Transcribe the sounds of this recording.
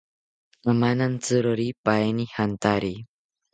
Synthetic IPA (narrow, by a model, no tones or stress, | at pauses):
əmanant͡sɨɾoɾipaenihant̪aɾi